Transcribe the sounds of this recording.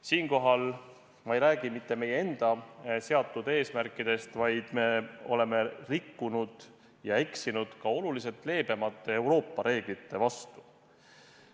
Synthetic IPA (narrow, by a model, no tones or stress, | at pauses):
siːnko̞ɦɑl | mɑejɾæːɡ̥imit̪ːe̞me̞jee̞nd̪̥ɑse̞ɑt̪ːˑud̪̥e̞ːsmærkːˑid̪̥e̞st̪vɑjd̪̥me̞o̞̰le̞me̞rikːunud̪̥ | jɑe̞ksinud̪̥kɑo̞lulise̞t̪ːˑle̞ːb̥emɑt̪ˑːe̞ːwɾo̞ːpːˑɑɾe̞ːɡ̥lit̪ːe̞vɑst̪u̥